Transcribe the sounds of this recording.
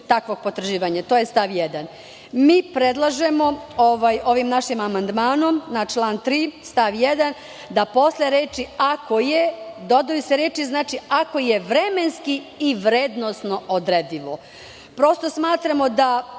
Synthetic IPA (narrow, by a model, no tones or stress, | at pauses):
t̪akʋoɡ̚po̞t̪ɾʒiːʋaɲat̪oːjest̪aʋjed̪an | miːpɾed̪lˠaʒemo̞oʋajo̞ʋimnaʃimamand̪maːno̞mnat͡ʃlˠaːnt̪ɾiːst̪aʋjed̪an | d̪apo̞sleɾeːt͡ʃiako̞jed̪od̪ojuseɾeːt͡ʃiznaːt͡ʃiako̞jeʋɾemenskiiʋɾed̪nosno̞od̪ɾed̪iʋo | pɾo̞st̪o̞smaːt̪ɾamo̞d̪a